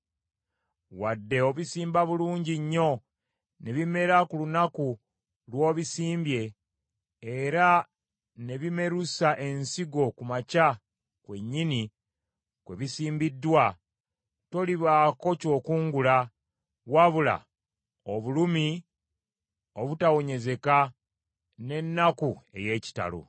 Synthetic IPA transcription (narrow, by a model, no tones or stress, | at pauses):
wadːe̞oβisiːmbaβuluːɲɟiɲːo̞ | ne̞βime̞ɾakulunaku | lwo̞ːβisiːmbje̞ː | ɾa | ne̞βime̞ɾusaʔe̞nsiɡo̞kumaca | kwe̞ɲːini | kwe̞βisiːmbidːwa | to̞liβaːkoco̞ːkuːŋɡula | waβula̰ | oβulumi | o̞βutawo̞ɲe̞ze̞ka | ne̞nːakue̞̰je̞ːci̥ta̰lo̰